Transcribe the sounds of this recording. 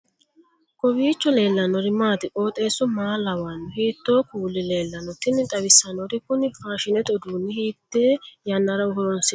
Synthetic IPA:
kʼɔbiːt͡ʃːɔle̞ːlːɐnɔɾɪmaːt̪ɪʔʼo̞ːt̪ʼe̞ːsɔmaːlːɐwanːʊhiːt̪ːoːkuːlːɪle̞ːlːɐnɔt̪ːɪnɪt̪ʼɐwɪsːɐnɔɾɪkʊnɪfaːʃɪnɛt̪ɔd̪uːnːɪhiːt̪ːeːjɐnːɐɾɐwhɔɾɔnsɪ

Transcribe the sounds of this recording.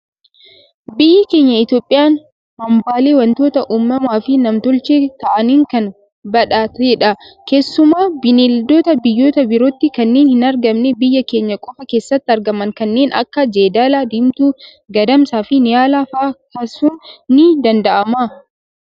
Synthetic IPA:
bɪjːɐke̞ːɲːɐɪt̪jo̞ːpʼːɪjaːn | hɐmbaːle̞ːwɐnt̪o̞ːt̪ɐʔuːmːɐmaːfɪnɐmt̪ɔlt͡ʃeːt̪ɐʔɐniːŋkɐn | bɐᶑaːt̪ɛᶑɐke̞ːsːʊmaːbɪneːld̪o̞ːt̪ɐbɪjːo̞ːt̪ɐbɪɾoːt̪ːɪkɐnːeːnhɪnɐɾɡɐmnebɪjːɐke̞ːɲːɐkʼɔfɐke̞ːsːɐt̪ːɪɐɾɡɐmɐŋkɐnːe̞ːnɐ̰kːɐd͡ʒeːd̪aːlaːd̪ɪmt̪uː | ɡɐd̪ɐmsaːfɪnɪjaːlaːfakaːsuːnːɪd̪ɐnd̪ɐʔɐmaː

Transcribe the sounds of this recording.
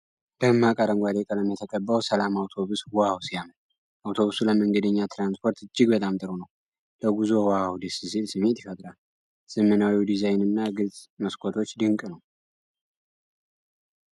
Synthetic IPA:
ləmːakʼaɾəŋɡʷad̪ekʼələmjɛt̪ʰəkʼəbːəwsəlamawt̪ʰo̞βuswawsijamə | ʔawt̪ʰo̞βusuləməŋɡəd̪əɲːat̪ʰɾanspʰo̞ɾt̪ɨd͡ʒːɪɡbət̪ʼamt̪ʼɨɾonəw | ləɡuzo̞wawd̪ɨssilsɨme̞t̪jifət̪ʼɾal | sɨmːənawid̪izajnɨnːaɡɨlzʼməskʷʰot̪ʰo̞t͡ʃːd̪ɨŋkʼnəw

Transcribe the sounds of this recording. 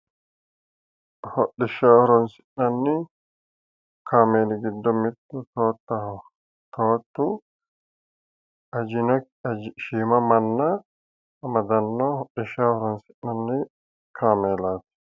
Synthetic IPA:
hɔɗɪʃɐɔhɾɔnsɪ̥ʔnɐnːɪ | kʰaːmeːnɪɡɪd̪ːɔmɪt̪ːʊt̪oːt̪ːɐh | t̪oːt̪ːʊ | ɐd͡ʒɪnɔ | ʃiːmɐmɐnːɐ | mɐd̪ɐnːɔhɔɗɪʃaɔhɾɔnsɪʔnɐnːɪ | kʰaːmeːlaːt̪ɛ̥

